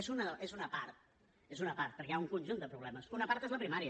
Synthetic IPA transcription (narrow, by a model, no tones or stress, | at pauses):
ezunəezunəpaɾt̪̚ | ezunəpaɾt̪̚pəɾkɛauŋkunʲʒund̪əpɾuβ̞lɛməsunəpaɾt̪ezləpɾimaɾiə